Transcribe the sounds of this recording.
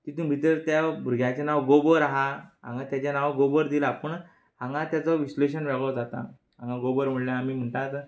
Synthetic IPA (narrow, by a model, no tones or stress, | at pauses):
t̪it̪ũbʱit̪əɾt̪jabuɾɡjat͡ɕanaʋɡobəɾaɦaɦã̰ŋɡat̪jat͡ɕanaʋɡobəɾd̪ilapəɳ | ãŋɡãt̪jat͡sɔʋisleɕ̬ənʋaɡɭɔd͡zat̪a̰ | ɦãŋɡãɡobəɾm̤əɽljaːmiːm̤əɳʈ̪at̪